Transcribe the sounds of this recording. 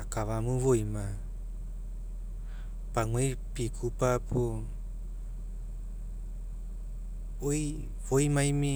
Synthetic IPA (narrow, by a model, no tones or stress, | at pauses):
akavamuvojma | paŋwejpikʰupapʰo | oj | voimajmi